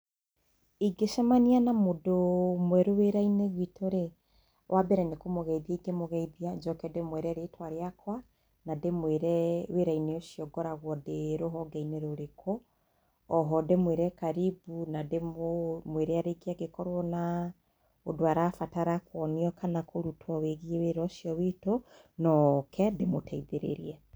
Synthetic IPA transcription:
iɡeʃɛmanianamodomwɛɾoweɾaineɣwitʰoɾe | wʔabɛɾɛnekomoɣɛiðiaiɡemoɣɛiðiad͡ʒɔkɛdemwɛɾɛaɾetwaɾeakwa | nademeɾɛweɾaineoʃjɔɡɔɾaɣwɔdeɾoɦɔɡaineɾoɾekʰoː | ɦɔdemweɾɛkaɾibunademweɾeaɾekeaɣekɔɾwɔna | odoaɾafataɾakwɔniɔkanakʰoɾutwɔweɣieweɾɔʃjɔwitonɔkʰɛdemotʰɛiðeɾḛɾiɛ

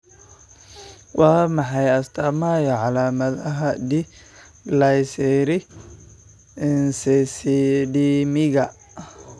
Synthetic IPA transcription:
wɑːmɑħɑjɐst̪ʰamajɔʕalaːmɐðɐɦɐdi | lajsɛɾɪ | nsɛsdimɪɣɐ

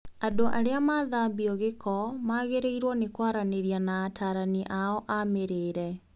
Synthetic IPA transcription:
adoʔa̰ɾeamaðaːmbiɔɣekʰɔmaɣeɾeiɾwɔnekwaɾaneɾjanaːtaːɾaniʔaɔʔameɾeːɾɛ

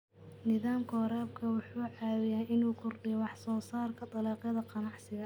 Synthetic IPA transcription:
nɪðaːmkʰɔːɾaːb̚kʰɐwʊħuːʕɑːwɪjaːʔɪnuːkʰʊrɖɪjɔwɑħsɔːsaːrkʰɐt̪ʼˤɑlɑːqɑðɐqɑnɑʕsɪɣɐ

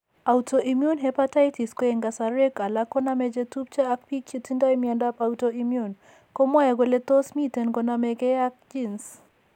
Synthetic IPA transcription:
autʰɔʔimjunɦɛpatajtiskɔɛŋɡasaɾɛkalakɔnamɛd͡ʒɛtup̚t͡ʃaːkpikjutindajmiandapawtɔimjun | kɔmwajaɡwɛlɛt̪ɔsmitɛnɡɔnamɛɡɛjak̚d͡ʒins

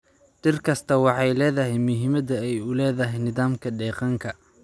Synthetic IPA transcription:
ɖɪrkʰɐst̪ʰɐwɑħɑjlɛːðɐɦɛjmʊɦɪmɐd̪ɐɛjʊlɛːðɐɦɛjnɪðaːmkʰɐɖɛːqɑŋkʰɐ

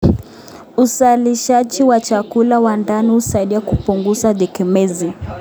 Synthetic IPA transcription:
usaliʃaʄiwat͡ʃakulawandanihusaiɗiakupuŋɡuzaðɛkɛmɛzi

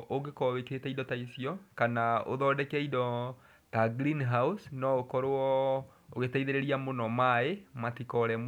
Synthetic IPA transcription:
ʔoɡekɔβekeetɛidɔtaisiɔkanaoðɔdɛkɛidɔ | taɡɾinɦausnɔokɔɾoɔ | oɣetaiðeɾeɾiamonɔmaematikɔɾɛm

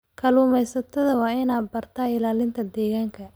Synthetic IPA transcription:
kʰɐluːmɛjsɐt̪ʰɐðɐwɑːɪnaːd̪̚bɐrt̪ʰaːɪlaːlɪnt̪ʰɐd̪ɛːɣaːŋkʰɐ

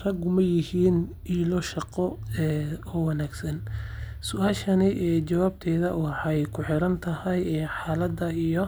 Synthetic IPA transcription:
rɐɡʊmɐjɪhiːnʔiːlɔʃɑqɔɛːɔːwɑnaːɡsɐnsʊʔaːʃɐnɪʔɛːt͡ʃɐwaːb̚t̪ʰɛːðɐwɑħɑjkʰʊħɪɾɐnt̪ʰɐhɐjɛːħɑːlɐd̪ɐijɔ

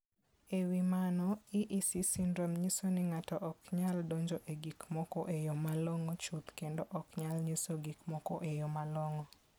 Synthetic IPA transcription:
ewimanɔiʔisisindɾomɲisonɪŋatɔʔɔkɲaldoɲd͡ʒoʔeɡikmɔkɔʔejomalɔŋɔt͡ʃut̪kendoʔɔkɲalɲisoɡikmɔkɔ̰ʔejɔmalɔŋɔ

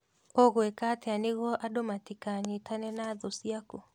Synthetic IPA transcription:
oɣwekateaneɣɔʔadomatikaɲetanɛnaðosiako

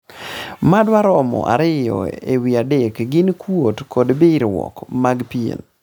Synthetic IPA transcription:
madwaɾɔmɔ̰ʔa̰ɾɪjɔ̰ewiadekɡɪnkwotkʰɔdbɪɾwɔ̰kmaɡpiḛn

